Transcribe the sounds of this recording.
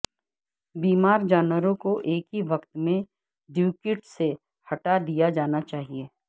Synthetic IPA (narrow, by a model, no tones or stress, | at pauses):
biːmaːɾd͡ʒaːnwəɾõkoʔeːkɦiʋɐkt̪mẽ | ɖjuːkɪʈse | hɐʈad̪ijad͡ʒaːnat͡ʃaːɦieː